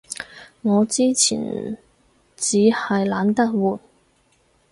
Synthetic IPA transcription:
ŋɔː˨˧t͡siː˥t͡sʰḭː˨˩n | t͡siː˨˥hɐ˨jlaː˨˥nt̪ɐ˥k̚wuː˨˩t̚

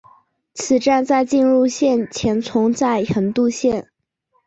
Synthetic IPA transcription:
t͡sʰɹ̩˨˩ʈ͡ʂa˥˧nt͡sa˥˧ɪt͡ɕi˥˧nɻu˥˧ɕjɛ˥˩nt͡ɕʰjɛ˧˥nt͡sʰʊ˧˥ŋt͡sa˥˩ɪxə˧˥nt̪u˥˧ɕjɛ˥˩n

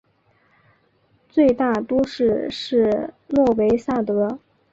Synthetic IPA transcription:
t͡swe˥˧ɪt̪a˥˩t̪wɔ˥ʂɻ̩˥˧ʂɻ̩˥˧nwɔ˥˩we˧˥ɪsa˥˩t̪ɤ˧˥

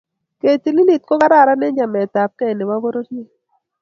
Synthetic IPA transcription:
ke˨ti˨li˦li˨t̚ko˦ka˦ɾa˦˨ɾa˦ne˦ɲd͡ʒa˨mɛ˨ta˨p̚kɛ˦˨ne˨wa˦bo˦ɾo˦tnɪ˦

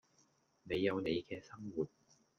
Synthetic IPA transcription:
ne˨˧jːɐ˨˧wne˨˧jkɛː˧sɐ˥ŋwuː˨˩t̚

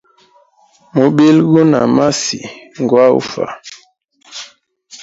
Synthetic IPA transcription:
mu˨ɓe˦lɡu˦na˨ma˦si˨ŋ˨ɡwa˦ṵ˦fa̰˨

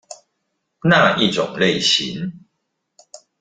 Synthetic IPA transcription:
na˥˨i˥˨t͡sʊ̰˨˩ŋle˥˨ɪɕḭ˨˦n

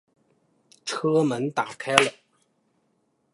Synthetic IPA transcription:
ʈ͡ʂʰɤ˥mə˨˦˥nt̪a˨˩kʰa˥ɪlə˨

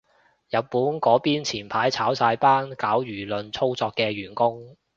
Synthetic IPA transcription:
jɐ˨t̚pːuː˨˥nkɔː˨˥piː˥nt͡sʰiː˨˩npʰaː˨˥jt͡sʰaː˨˥wsaː˧jpaː˥nkaː˨˥wjyː˨˩lɵ˨˧nt͡sʰo˥wt͡sɔː˧kːɛː˧ɥyː˨˩nkʊ˥ŋ

